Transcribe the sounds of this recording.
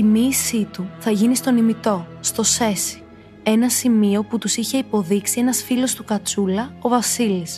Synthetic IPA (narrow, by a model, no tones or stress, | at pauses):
imiːsit̪uθɐʝinist̪o̞nimit̪o̞st̪o̞se̞si̥ | e̞nɐsimio̞put̪usiçe̞ipo̞ðiksie̞nɐsfilo̞st̪ukɐt͡sulɐo̞vɐsilis